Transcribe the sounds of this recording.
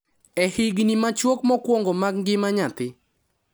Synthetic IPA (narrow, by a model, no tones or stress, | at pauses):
ɛhɪɡnimat͡ʃwokmɔkwoŋɡomaɡɡɪmaɲat̪ɪ